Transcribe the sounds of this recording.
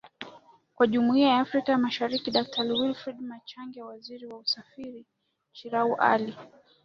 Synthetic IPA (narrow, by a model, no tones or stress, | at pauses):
kwaʄumuiajaːfɾikajamaʃaɾikiɗak̚tʰaliwilfɾɛdmat͡ʃaŋɡɛwaziɾiwausafiɾi | ʃiɾauʔa̰li